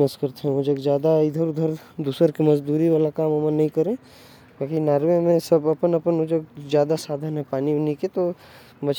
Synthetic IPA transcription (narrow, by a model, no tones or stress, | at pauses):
əskəɾt̪eɦɛ̃ʊd͡ʒəɡzjaːd̪aɪd̪ʱəɾʊd̪ʱəɾd̪uːsəɾkemɐd͡ʒd̪uːɾiʋaːlakaːmɐmənːɐɦĩkɐɾẽː | bakinaːɾʋemẽsɐbɐpənɐpənʊd͡ʒəɡ̚zjaːd̪asaːd̪ʱənɦɛ̃paːniniket̪o | mɐt͡ʃ